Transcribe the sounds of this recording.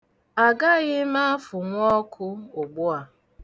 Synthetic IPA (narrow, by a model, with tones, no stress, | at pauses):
a˨ɡa˦ɣɪ˦ma˦fʊ˨ŋʷɔ˦kʰʊ˦o˨ɡ͡bʊ˦a˨